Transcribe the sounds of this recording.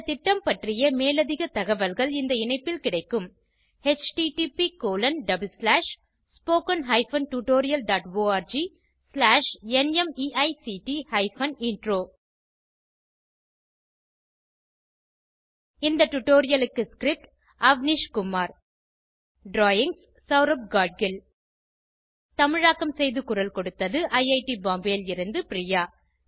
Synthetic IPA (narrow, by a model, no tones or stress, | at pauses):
t̪ɪʈːɐmpɐʈrɪjɐmeːlɐðɪɣɐt̪ɐɣɐʋɐlɣɐɭɪnd̪ɐɪnɐɪpːɪlkɪɽɐɪkːɯm | het͡ʃʈiʈipikoːlɐnɖɐbɯlslaːʂ | spoːkɐnɦɐɪfɐnʈuʈoːɾɪjɐlɖaːʈʋoːaːɾd͡ʒi | slaːʂɛnɛmiːʔɐɪsiʈihɐɪfɐnɪɳɖɾoː | ɪnd̪ɐʈʊʈːoːɾɪjɐlɯkːɯskɾɪp̚ʈ | ɐʋniʂkʊmːaːɾ | ɖɾoːjɪŋs | sɐʋɾɐp̚ɡaːɖ̚ɡɪl | t̪ɐmɪɻaːkːɐmsɛjðɯkʊɾɐlkɔɽɯt̪ːɐðɯʔɐɪɐɪʈibaːmbeːlɪɾɯnd̪ɯpɪɾɪjaː